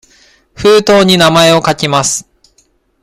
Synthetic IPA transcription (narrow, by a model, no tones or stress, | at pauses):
ɸɯːt̪o̞ːɲ̟inamae̞o̞kakʲimasɨ̥